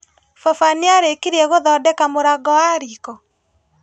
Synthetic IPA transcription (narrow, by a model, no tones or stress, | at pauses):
fɔfaniaɾekiɾiɛɣoðɔːdɛkamoɾaɡɔwaɾikɔ